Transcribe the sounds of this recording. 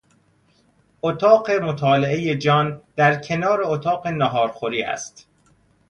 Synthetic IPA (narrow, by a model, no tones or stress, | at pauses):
ot̪ʰɒːɢe̞mot̪ʰɒːleʔeje̞d͡ʒɒːnd̪̥æɾcʰe̞nɒːɾe̞ot̪ʰɒːɢenɒɦɒːɾxoɾiːæ̰st̪